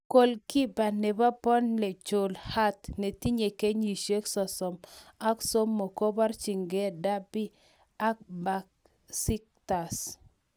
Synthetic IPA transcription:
ko˨lki˦ba˨nɛ˨ba˦pɔ˦nlɛ˨t͡ʃo˨lha˦tne˨ti˦ɲe˨ke˦ɲi˨ʃe˦ksɔ˨sɔ˨ma˦kso˦mːo˨ko˦ba˦ɾt͡ʃi˨ŋɡɛ˦da˦bi˦ | a˦k̚ba˨k̚ | si˦k̚ta˨s

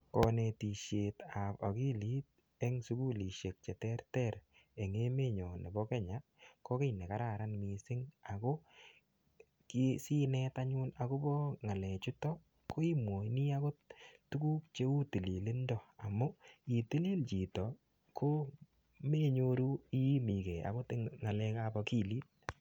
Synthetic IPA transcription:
kɔ˨˧ne˨ti˨ʃe˨ta˨po̰˨ki˦li˦t̚ | ɛ˦ŋsu˦ku˦li˨ʃe˨k̚t͡ʃɛ˨tɛ˦ɾtɛ˨ɾ | e˨ŋe˦me˦ɲɔ˨ne˨bɔ˦kɛ˦ɲa˨˦ | ko˦ke˦jne˨ka˦ɾa˨ɾa˦nmi˨sɪ˦ŋa˨ko˦ | ki˦si˦nɛtaɲu˦na˨ko˦bɔ˦ŋa˨le˨t͡ʃu˦tɔ˦ | ko˦i˦mwo˨˦ni˦a˦ko˦tu˦kuː˦kt͡ʃe˦u˦ti˨li˨lɪ˦ndɔ˨a˨mʊ˦i˨tɪ˦li˦lt͡ʃi˨tɔ˨ | kʰo˦ | me˦ɲoɾu˦i˦mi˨ke˨a̰˨ko˦tɪ˦ŋa˨lɛ˦kabɔ˧ki˦liː˦t̚

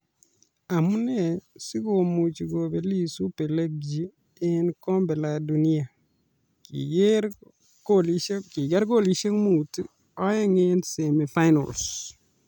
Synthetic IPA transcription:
a˨mu˦ne˦˨si˦ɡo˨mu˨t͡ʃi˨ɡo˨be˨li˦˨su˦pe˨le˦ɡ̚d͡ʒi˦ | e˦nkɔ˦mbe˨la˨du˨ni˦a˨ | kḭɡ | koli˦ki˨ɡa˦ɾɡo˦˨li˦ʃe˦ŋmu˨ti | ɔ˦je˦ŋe˦nse˨mi˨fa˦jno̰˨ls

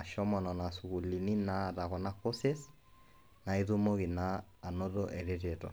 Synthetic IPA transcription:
a˨ʃɔ˦mɔ˨nɔ˨na˨su˨ɣu˨li˨ni˦na˦˨ða˨ɣɔ˨na˦ko˦se˦s | na˨i˦ðu˦mo˦ɣi˨naː˦˨ | no˦ðo˦ʔɛ˨ɾe˦ɾe˨tɔ̰˨

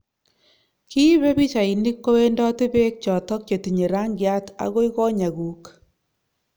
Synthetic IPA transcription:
kʰi˦βe˦bi˦t͡ʃa˨i˨ni˦kːo˦we˦ndɔ˦ti˦be˦k̚t͡ʃɔ˨tɔ˦k̚t͡ʃe˨ti˨ɲe˨ɾa˦ŋɡja˦ta̰˨ɣo˦i˦ɣɔ˦ɲa˨ɡu˨k

